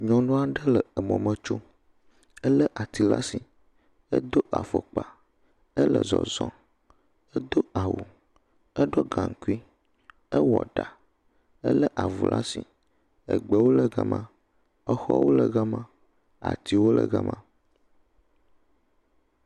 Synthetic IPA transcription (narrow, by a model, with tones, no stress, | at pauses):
ɲɔ̃˨nõ˦a˦ɖə˦lə˨ə˨mɔ̃˨mə̃˨t͡ʃo˦ | ə˦lə˦ʔa˨t̪i˨la˦si˨ | ə̰˦d̪o˦ʔa˨fo˨k͡pa˨ | ə˦lə̰˨zɔ̰˨zɔ̃˨ | ə˦d̪o˦a˨wu˨ | ə˦ɖɔ˦ɡã˨ŋ̩˨ku˦i˦ | ə˦wɔ̰˨ɖa˨ | ə̰˦lə˦ʔa˨vṵ˨lʔa̰˦si˨ | ə̰˨ɡ͡bə˨˦wo˦lə˨ɡa̰˨mã˦ | ə˦xɔ˦wo̰˦lə˨ɡa˦mã˦ | a̰˨t̪i˨wo˦lə̰˨ɡa˦mã˦